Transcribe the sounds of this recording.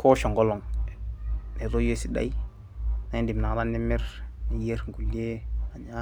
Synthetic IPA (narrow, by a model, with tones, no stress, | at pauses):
kʰo˦ʃo˨ŋɡo˦lo˨ŋ | ne˨ɾo˦je˦si˦da̰˦i˦ | na˦ndi˨m˨na˨ŋ˦ɾa˦ndi˦mi˦ɾni˨je˦ɾŋɡu˨li˦e˦a˨ɲa˦